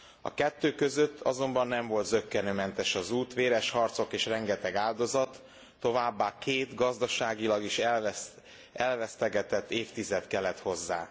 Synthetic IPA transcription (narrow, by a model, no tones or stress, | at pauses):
ɒ̰kɛt̪ːøːkøzøt̪ʰːɒzo̞mbɒnːɛɱvo̞lt̪zøkːɛnøːmɛnt̪ɛʃɒzuːt̪ʋeːɾɛʃhɒrt̪so̞keːʃrɛŋɡɛt̪ɛɡaːld̪o̞zɒt̪ː | o̞vaːbːaːkʰeːt̪ɡɒzd̪ɒʃaːɡilɒɡiʃ | ɛlvɛst̪ɛɡɛt̪ɛt̪ːeːft̪izɛt̪kɛlːɛt̪ho̞zːa̰ː